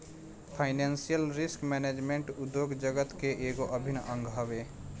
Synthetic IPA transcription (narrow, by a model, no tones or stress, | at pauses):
pʰaːɪnɛːnsijəlɾɪskmɛːneːd͡ʒmẽɳʈʊd̪joːɡd͡ʒəɡət̪keʔeːɡoʔəbʱɪnʔə̃ŋɡʱɦəʋeː